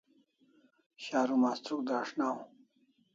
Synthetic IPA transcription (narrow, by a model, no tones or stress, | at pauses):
ɕaːɾumaːst̪ukd̪aːʂnaːũ